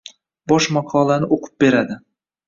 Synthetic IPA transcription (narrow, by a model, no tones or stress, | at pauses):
bɒʃmɑqʰɒlˠanɪʔoqʰɨ̥p̚be̞ɾad̪ɪ